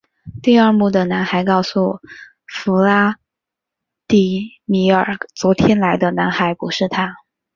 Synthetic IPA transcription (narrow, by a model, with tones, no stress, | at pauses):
t̪i˥˧ə˞˥˧mu˥˩d̪ə˩na˧˥nxa˧˥ɪkɑ˥˩ʊsu˨˩ | fu˧˥la˥ | t̪i˥˩ | mi˧˥ə˞˨˩t͡swɔ˧˥t̪ʰjɛ˥nla˧˥ɪd̪ə˧na˧˥nxa˧˥ɪpu˧˥ʂɻ̩˥˩t̪ʰa˥